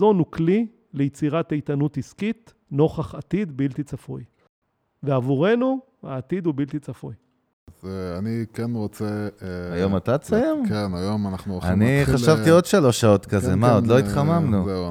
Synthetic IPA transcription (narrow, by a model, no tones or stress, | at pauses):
o̞nukli | lejit͡siʁat̪ejt̪anutiskit̪ | no̞χaχat̪id̪bilt̪it͡safuj | veavuʁe̞nu | aːt̪id̪ubilt̪it͡safuj | azeanikenʁot͡seajo̞mat̪asajemkenajomanaχnuoaniχaʃavtio̞d̪ʃalo̞ʃːao̞t̪kazemaod̪lo̞it̪χamamnue